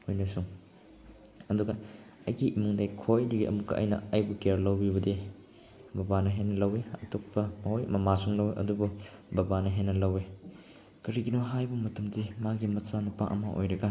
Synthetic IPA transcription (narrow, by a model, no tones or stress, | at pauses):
ojnɐsuŋ | ɐduɡɐ | ɐjɡiʔimuŋdajkʰojdiɡiʔɐ̰mukːɐ̰ʔɐ̰jnɐ̰ajbukeɾlɐwbiβɐdi | bɐbanɐɦenːɐlɐweɐ̰tok̚pɐmɐɦojɐ̰mɐmasuŋlɐwʔɐ̰dububɐbanɐɦenːɐlɐwe | kɐɾiɡinoɦajbɐmɐtɐmdimaɡimɐt͡ʃanupa̰ʔɐ̰maʔo̰jɾɐɡa